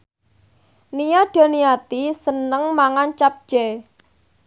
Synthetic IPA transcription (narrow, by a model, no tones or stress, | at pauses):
nijaɖ̪̥ɔ̤nijat̪isənəŋmaŋant͡ʃap̚ʒ̥ɛ